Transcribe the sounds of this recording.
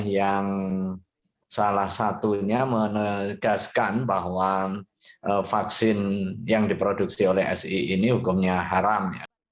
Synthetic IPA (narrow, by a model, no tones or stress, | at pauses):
jaŋ | salahsat̪uɲamənəɡ̥askanbaɦwa | ʔəfaksɪnjaŋdipɾoduk̚siolɛhɛ̰siinihukʊmɲaɦaɾamja̰